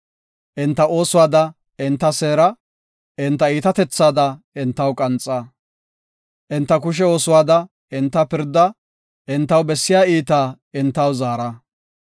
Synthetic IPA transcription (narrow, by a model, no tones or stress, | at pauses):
ʔɪnt̪ːɐʔo̞ːsʊwaːd̪ɐ | ɪnt̪ːɐseːɾɐ | ɪnt̪ːɐiːt̪ɐt̪ɛt͡sːaːd̪ɐ | ɪnt̪ːɐwkʼɐnt͡sʼːɐ | ʔɪnt̪ːɐk̬ʊʃ̬ɛo̞ːsʊwaːd̪ɐ | ɪnt̪ːɐpɪɾd̪ːɐ | ʔɪnt̪ːɐwbɛsːɪjaːiːt̪aː | ɪnt̪ːɐwzaːɾɐ